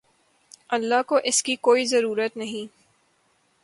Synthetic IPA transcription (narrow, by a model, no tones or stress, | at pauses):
ɐlːaɦkoʔɪskikoːizɐɾuːɾət̪nɐɦĩː